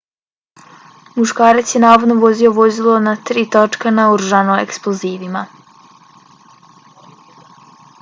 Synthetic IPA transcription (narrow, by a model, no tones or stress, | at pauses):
muʃkaːɾat̪sjenaːʋo̞d̪no̞ʋo̞zioʋozilˠo̞nat̪ɾiːt̪ot͡ʃkanauɾuʒanoḛksplˠoziːʋima